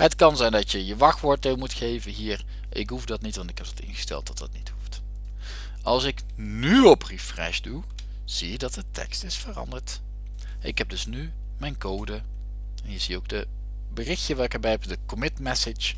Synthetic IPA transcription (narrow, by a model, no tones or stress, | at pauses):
ɦətkɑnzɛjndɑtjəjəʋɑxʋʊɹdɪlˠmutχejvəɦiːr | ʔɪ̰kɦufdɑtnitʋɑntɪkɦɛp̚dɑtɪ̰nχə̥stɛ̰lˠt̚dɑt̚dɑtnithuft | ɑlˠsɪk | nyɔprifrɛ̰ʃdu | z̥iədɑt̚dətʰɛ̰kstɪsfərɑ̰ndəɹt | ɪkɦɛb̚dɵsny | mɛjnkowdə | ɛnɦiəːɹziowɡ̚də | bərɪxtəʋɛlˠɪkəɹbɛjɦɛpdəkɔmɪtmɛsət͡ʃ